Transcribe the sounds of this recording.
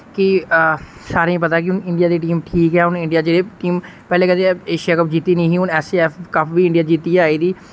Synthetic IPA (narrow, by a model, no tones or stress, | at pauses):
kɪ | saːɾẽːp̬ət̪aːk̬ɪʊnɪɳɖijaːd̪eːʈ̬iːmʈʰiːkɛːʊnɪ̃ɳɖɪjaːd͡ʒeːɽeːʈiːm | pɛːleːkəd̪eeːʃijaːkəp̚d͡ʒiːt̪iːnĩːɦiːʊnɛːseːɛːfʰkəpʰʋiːɪ̃ɳɖijaːd͡ʒiːt̪iːaːiːd̪iː